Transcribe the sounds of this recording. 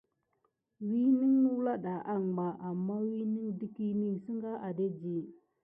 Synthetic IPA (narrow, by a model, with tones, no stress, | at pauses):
wi˦ni˦ŋnu˦la˦ɗa˨ʔa˦ŋɡ͡ba˨ʔa˨mːa˦wi˦ni˦ŋdi˦ki˦ni˦si˦ŋɡa˦ʔa˨de˦d͡ʒi˦